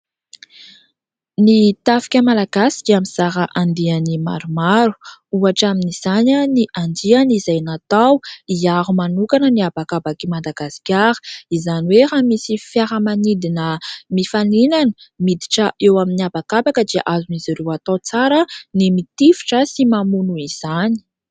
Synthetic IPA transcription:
nit̪afi̥kʲəmalaɡasi̥kʲamiz̥aɾaʔand̪ianima̰ɾumaɾu̥uaʈ͡ʂaminiz̥ananiʔand̪ianizajnat̪awiaɦumanukanəniabakabakimand̪aɡasi̥kʲaɾə̥izaniweɾamisifjaɾəmanid̪inəmifaninanə̥mid̪iʈ͡ʂəʔewaminiabakabakəd̪ia̰ʔazunizaɾewat̪at͡saɾənimit̪ifi̥ʈ͡ʂəsimamunuiz̥ani̥

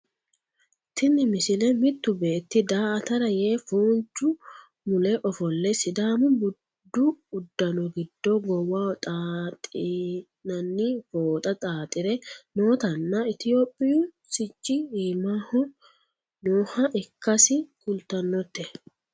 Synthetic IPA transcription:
t̪ʰɪnːɪmɪsɪlɛmɪt̪ːʊbe̞ːt̪ːɪd̪aːɐt̪ɐɾɐjeːfuːnt͡ʃːʊ | mʊlɛʔɔfɔlːɛsɪd̪aːmʊbʊ | d̪ːʊʊd̪ːɐnʊɡɪd̪ːoɡɔwːaːɔt̪ʼaːt̪ʼɪ | nɐnːifoːt̪ʼɐt̪ʼaːt̪ʼɪɾɛnoːt̪ɐnːɐɪt̪ɪjoːpʼːɪju | sɪt͡ʃʼːɪiːmaːhɔ | noːhɐʔɪkːɐsɪkʊlt̪ɐnːɔt̪ːɛ

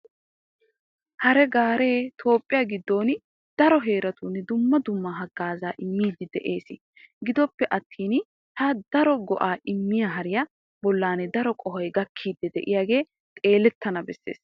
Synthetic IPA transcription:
hɐɾɛɡaːɾe̞ːt̪ʰo̞ːpʼːɪjaːɡɪd̪ːo̞ːn | d̪̥ɐɾɔɦe̞ːɾɐt̪uːnɛd̪ʊmːɐd̪ʊmːɐɦɐɡaːzaːʔɪmːiːd̪ɪd̪ɛʔe̞ːsɪ | ɡɪd̪ɔpːɛʔɐt̪ʰːiːn | hɐd̪̥ɐɾɔɡɔʔaːʔɪmːɪjɐɦɐɾɪjɐ | bɔlːaːnɛd̪ɐɾɔkʼɔɦɐjɡɐkʰːiːd̪ːɛd̪ɛ̰ʔɪjaːɡe̞ː | t̪ʼe̞ːlɛt̪ːɐnɐbɛsːḛːs

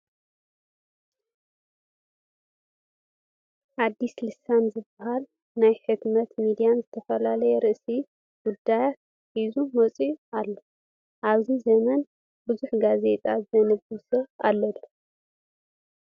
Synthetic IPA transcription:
ħad̪ːislɨsanzɨbːɐhal | najħɨt̪nɐt̪mid̪ijanzɨt̪ʰɐfɐlalɐjɛɾɨʔsi | ɡ̥ud̪ːajat̪̚ | ħizumɐt͡sʼiʔalːo | ʔaβzizɐmɐn | bɨzuħɡaze̞t̪ʼazɐnɨbɨsoʔalːɐlːu

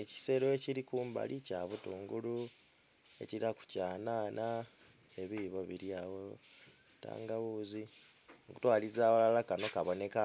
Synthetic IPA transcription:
eci̥se̞ɾoeciɾikuːmba̰lʔicaːβutuːŋɡulu | e̞̰ciɾaku̥caːnaːna | eβiβo̞βiɾiawo | ta̰ːŋɡaβuːzi | oku̥twaːlizaːβolalakano̞kaβo̞ne̞ka

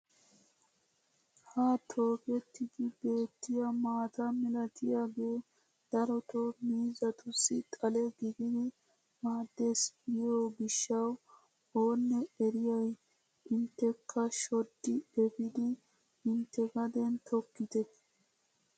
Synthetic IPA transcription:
hat̪ʰo̞ːkɛt̪ːɪɡɪbe̞ːt̪ːɪjɐmaːt̪amɪlɐt̪ɪjaːɡeː | d̪̥ɐɾɔt̪omiːzɐt̪ʊsːɪt̪ʼɐlɛɡɪɡɪd̪ɪ | maːd̪ːesbɪjoːbɪʃːɐw | oːnːɛɛɾɪjɐj | ɪnt̪ːɛkʰːɐʃɔd̪ːɪɛbɪd̪ɪ | ɪnt̪ːɛɡɐd̪ɛnt̪ʰɔkːɪt̪ɛ

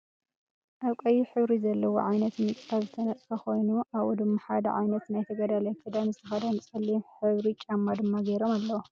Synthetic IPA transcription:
ʔaβkʼɐjiħɨβɾizɐlːɐwo̰ʕajnɐt̪mɨt͡sʼʰaβzɨt̪ʰɐnɐt͡sʼkʰɐxo̞jnuʔaβud̪ɨmːaħa̰d̪ɐ̰ʕa̰jnɐt̪najt̪ʰɐɡɐd̪alɐjkʰɨd̪anzɨt̪ʰɐxɐd̪anɨt͡sʼɐlːimħɨβɾit͡ʃʼamːad̪ɨmːaɡɐjɾo̞malːɐwo

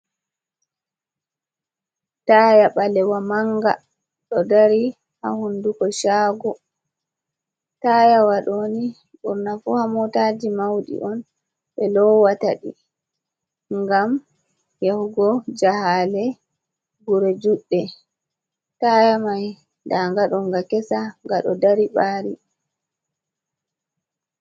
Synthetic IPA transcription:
taːjaɓalɛwamaŋɡa̰ | ɗɔdaɾi | ha̰hundukɔʃaːɡɔ | taːjawaɗoni | ɓuɾnafuhamɔtaːd͡ʒimawɗḭʔɔn | ɓɛlɔwataɗḭ | ŋɡam | jahɡɔd͡ʒahaːlɛ | ɡuɾɛd͡ʒuɗːɛ | taːjamaj | daŋɡaɗɔŋɡakɛsaŋɡaɗɔ̰daɾiɓaːɾi

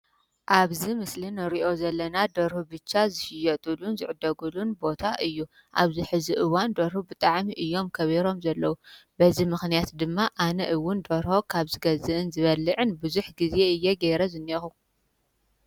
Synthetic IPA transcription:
ʔaβzimɨslinɨɾiʔo̞zɐlːɐnad̪oɾhubɨt͡ʃːazɨʃɪjɐt̪ʼulunzɨʕɨd̪ːɐɡulunbo̞t̪ʰaʔɨjːu | ʔaβziħɨziʔɨwand̪oɾhubɨt̪ʼaʕmiʔɨjːo̞mkʰɐβiɾo̞mzɐlːɐwubɐzimɨxnijat̪d̪ɨmːaʔanɐʔɨwːʊnd̪oɾho̞kʰaβzɨɡɐzɨʔɨnzɨβɐlːɨʕɨnbuzuħɡize̞ɨjːeɡeɾɐzɨnɐxu

